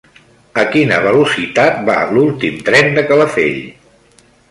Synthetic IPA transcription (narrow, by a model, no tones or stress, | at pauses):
əkinə̰β̞əlusit̪at̪̚ba̰lulˠt̪imt̪ɾɛnd̪əkələfḛʎ